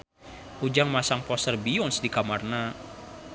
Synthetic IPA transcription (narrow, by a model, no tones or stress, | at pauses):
ʔud͡ʒaŋmasaŋpɔsərbiɔnsdikamarna